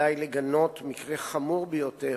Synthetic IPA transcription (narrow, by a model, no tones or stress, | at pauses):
ajleɡano̞tmikʁeχamuʁbejote